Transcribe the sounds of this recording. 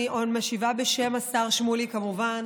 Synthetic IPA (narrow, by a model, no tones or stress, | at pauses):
ʔodmaʃivabeʃe̞masaʁʃmulikamuvan